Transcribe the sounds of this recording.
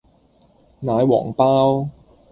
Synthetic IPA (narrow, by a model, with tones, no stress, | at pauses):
naː˨˧jwɔ̰ː˨˩ŋpaː˥w